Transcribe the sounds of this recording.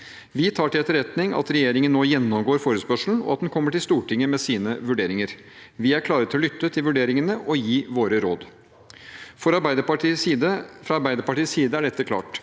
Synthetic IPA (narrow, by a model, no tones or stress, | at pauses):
ʋɪt̪ʰɑːʈɪlɛt̪ːəɾɛt̪nɪŋʔɑ̰t̪ɾɛjeːɾɪŋənnːoːjɛnːɔmɡoːɾfoːɾəspœʂl̩n̩ɔ̰ɑt̪d̪nkʰɔmːəʈɪlst̪uːʈɪŋːəmɛsiːnəʋʉɖeːɾɪŋəɾ | ʋɪæɾkʰlɑːɾət̪ʰːɪlɔlʏt̪ːət̪ʰɪlʋʉɖeːɾɪŋənəʔɔjiːʋoːɾəɾoːd̪ | fɔɾɑbæɪd̪əpɑiːd̪əfɾɑɑɾbæɪd̪əɾpɑʈiːssiːd̪əæɖɛt̪ːəkʰlɑ̰ːʈ